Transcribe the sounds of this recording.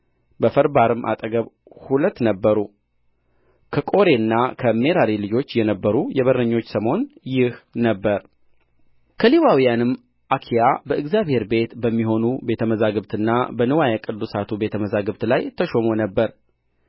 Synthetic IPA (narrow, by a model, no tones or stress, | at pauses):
bəfəɾbaɾɨmːʔa̰t̪ʼəɡəβ | hulət̪ːnəbːəɾu | kʰəkʼo̞ɾe̞ɨnːakʰəme̞ɾaɾilɨd͡ʒo̞t͡ʃːjɛnəbːəɾujɛβərəɲːo̞t͡ʃːsəmo̞njɪhnəbːəɾ | kʰəliwawijanɨm | ʔakʰijabəʔɨɡzjabhe̞ɾbe̞t̪bəmːiɦo̞nube̞t̪ʰəməzaɡɨβt̪ʰɨnːabənɨwajakʼɨd̪ːusat̪ʰube̞t̪ʰəməzaɡɨβt̪lajt̪ʰəʃo̞mo̞nəbːəɾ